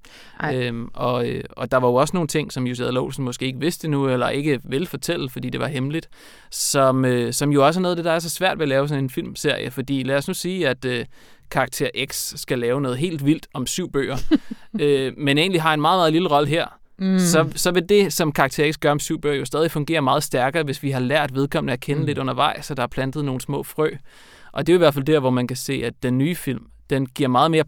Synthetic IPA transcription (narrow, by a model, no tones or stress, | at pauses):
øʔɒ̽øɒ̽d̥ɑ̈ʋɑ̈jo̝ɒ̽səno̝ːn̩t͡sʰe̝ŋ̰sɒ̽mjus̬eðˠloʊsn̩mɒ̽sɡ̥e̝ːeɡ̥əʋe̝sd̥enuelɐʔe̝ɡ̥əʋe̝lfɒ̽t͡sʰel̰̩fɒdḭːd̥e̝ʋɑ̈ɦemlid̥ | sɒ̽møsɒ̽mjo̝ɒ̽s̬əɐnɔːðˠæd̥e̝d̥ɑæɐs̬ɒ̽sʋæɐ̰d̥ʋelɛːʊsɒ̽ne̝nfil̰mse̝ɐ̰jəfɒ̽d̥ḭːlæsnusiːæd̥ø | kʰɑ̈ɡ̥̚t͡sʰe̝ɐ̰ʔeɡ̥sːɡ̥ælɛːʊnɔ̽ːð̞̩ˠɦe̝̰ːld̥ʋil̰d̥ɒ̽msyʊ̰b̥ø̰ːɐømene̝̰ːnliɦɑ̈e̝nmɑ̈ːð̩ˠmɑ̈ːð̩ˠliləʁɒ̽ləɦeɐ̰ | sɒ̽sɒ̽ʋe̝d̥e̝sɒ̽mkʰɑ̈ɡ̥̚t͡sʰe̝ɐeɡ̥sɡ̥ɶɐɒ̽msyʊ̰b̥ø̰ːɐjo̝sd̥ɛːð̞ˠifɔ̽ŋɡ̥e̝̰ːɐmɑ̈ːð̞̩ˠsd̥æɐɡ̥ɐːʋe̝sʋiɦɑ̈læɐ̰d̥ʋe̝ð̞ˠkʰɒ̽mn̩əækʰenəle̝d̥ɔ̽n̰ɐʋɑ̈ɪ̰sɒ̽d̥ɑ̈æɐpʰlænd̥ð̩ˠno̝ːn̩smɔ̰̽ːfʁœ̰ː | ʔɒ̽d̥e̝oiʋæɐ̰̥fæld̥æɐ̰ʋɒmænkʰæse̝̰ːæd̥ːenːyːfil̰m | d̥enɡ̥iɐ̰mɑ̈ːð̩ˠme̝ːɐ